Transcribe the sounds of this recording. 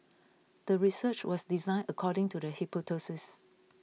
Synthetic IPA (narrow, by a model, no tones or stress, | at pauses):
d̥əɹisət͡ʃwɔsdizãɪ̃nəkʰɔɾɪ̃ŋtudəhipotʰosɪs